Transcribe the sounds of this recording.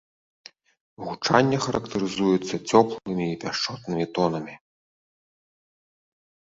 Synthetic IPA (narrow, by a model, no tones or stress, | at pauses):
ɣut͡ʂanʲːɐxɐɾʔɐkt̪ɐɾɨzujɛt̪sːɐt͡sʲɔplˠɨmʲiːpʲaʂt͡ʂɔt̪nɨmʲit̪ɔnɐmʲi